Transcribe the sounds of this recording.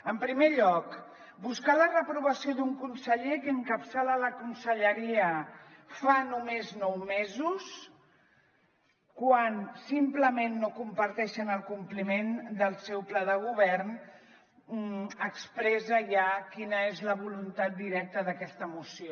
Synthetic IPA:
əmpɾimeʎɔk | buskalərəpɾuβəsioðuŋkunsəʎekəŋkəpsalələkunsəʎəɾiə | fanumeznɔwmezus | kwansimpləmenːokumpəɾt̪ɛʃənəlˠkumplimend̪əlˠsɛwplaðəɣ̞uβɛɾn | əkspɾɛzəjakinəezləβ̞ulunt̪at̪̚d̪iɾɛk̚t̪əðəkɛst̪əmusio

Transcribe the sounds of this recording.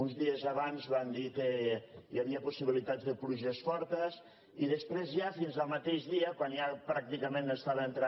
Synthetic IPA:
unzðiəzaβanzβand̪ikejaβiəpusiβilit̪ad͡zðəpluʒəsfɔɾt̪əs | iðəspɾezjafinzəlˠmat̪eʒðiəkwanjapɾak̚t̪ikəmẽnəst̪aβəənt̪ɾa

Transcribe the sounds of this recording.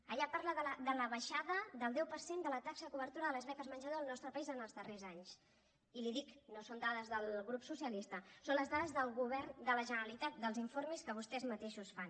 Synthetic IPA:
əʎapaɾləðələd̪ələβəʃaðəðəlˠd̪ɛwpəɾsend̪ələt̪aksəkuβəɾt̪uɾəðələzβɛkəzmənʒəðoəlˠnɔst̪ɾəpəizənəlˠzðərezaɲs | iliðiknosond̪aðəzðəlˠɣɾupsusiəlist̪əsonləzðaðəzðəlˠɣuβɛrnd̪ələʒənəɾəlit̪at̪̚d̪əlˠziɱfoɾmiskəβ̞ust̪ɛzmət̪eʃusfan

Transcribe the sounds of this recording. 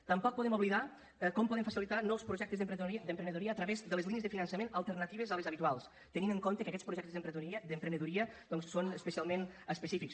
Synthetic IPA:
t̪əmpɔk̚puðɛmuβliða | kɔmpɔðemfəsilit̪anɔwspɾuʒɛk̚t̪əzðəmpɾd̪əmpɾənəðuɾiəːt̪ɾəβezd̪ələzliniəzðəfinənsəmenəlˠt̪əɾnət̪iβ̞əzələzəβit̪ualˠs | t̪əniməŋkont̪əkəkɛt͡spɾuʒɛkt̪zðəmpɾəud̪əmpɾənəðuɾiəd̪̥ɔnssonəspəsialˠmenəspəsifiks

